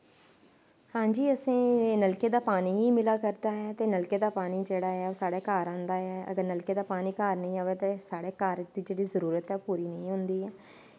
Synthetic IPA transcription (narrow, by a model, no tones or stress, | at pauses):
hãːd͡ʒiːəsẽːnəlkeːd̪aːpaːniːɦiːmɪlaːkəɾd̪aːɦɛːt̪eːnəlkeːd̪aːpaːniːd͡ʒeːɽaːɛːoːsaːɽeːkaːɾãːnd̪aːɛːə̰ɡəɾnəlkeːd̪aːpaːniːkaːɾnəĩːãːʋeːt̪eːsaːɽeːkaːɾd̪iːd͡ʒeːɽiːzəɾuːɾət̪ɛːpuːɾiːnəĩːɦʊnd̪iːɛː